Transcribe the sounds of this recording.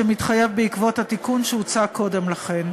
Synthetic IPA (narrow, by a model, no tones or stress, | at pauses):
emitχajevbeikvo̞thatikunʃeut͡sako̞de̞mlaχe̞n